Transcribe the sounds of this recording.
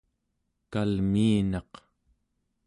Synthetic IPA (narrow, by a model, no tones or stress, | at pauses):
kalmiːnɑq